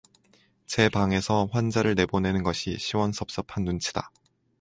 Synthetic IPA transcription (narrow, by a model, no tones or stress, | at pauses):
t͡ɕe̞baŋe̞sʰʌɸwand͡ʑaɾɯɭne̞bone̞nɯnɡʌɕʰiɕʰiwʌnsʰʌp̚s͈ʌpʰanːunt͡ɕʰi̥da